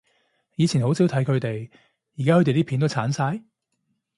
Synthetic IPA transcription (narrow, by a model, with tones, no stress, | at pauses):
jiː˨˧t͡sʰiː˨˩nho˨˥wsiː˨˥wt̪ʰjkʰɵ˨˧ɥt̪e˨j | jiː˨˩kaː˥hɵ˨˧t̪e˨t̪iː˥pʰiː˨˥t̪o˥wt͡sʰaː˨˥nsaː˧j